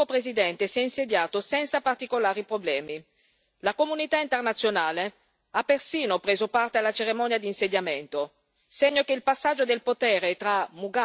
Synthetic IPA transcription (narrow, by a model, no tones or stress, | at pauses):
opɾezid̪ɛnt̪esiɛinsed̪jaːt̪osɛnt̪sapart̪ikolaːɾipɾoblɛːmi | lakomunit̪aint̪ernat̪sːjonaːle | apːersiːnopɾeːzopart̪ealat͡ʃeɾemɔnjad̪iːnsed̪jament̪o | seɲːokeilpasːad͡ʒːod̪elpot̪ɛːɾet̪ɾamuɡa